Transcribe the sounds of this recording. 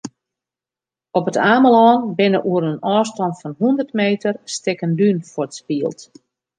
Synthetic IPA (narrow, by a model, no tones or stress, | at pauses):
ɔpətʰaːməlɔːnbɪnəʔuəɾənɔːstɔntfɔnɦundərtmeːtərstɪkəndynfortspiəlˠt